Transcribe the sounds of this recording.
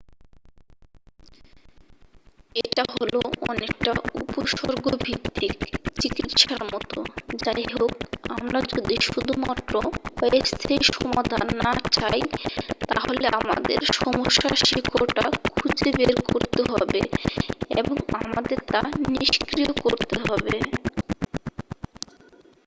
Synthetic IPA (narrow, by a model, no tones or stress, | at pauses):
eʈaɦoloɔ̰nek̚ʈaupoʃoɾɡobʱit̪ːikt͡ɕikit̪ʃaɾmɔt̪o̰d͡ʑajɦokamɾad͡ʑod̪ʱiʃud̪ʱumaʈ̪ːɾoest̪ʰeʃɔmad̪ʱanːat͡ɕajt̪aɦoleʔama̰d̪ḛɾʃɔmoʃːaʃikʰoɾʈakʰud͡ʑebeɾkoɾt̪eɦɔbḛ | eboŋamad̪eɾt̪aniʃkɾijokoɾt̪eɦɔbe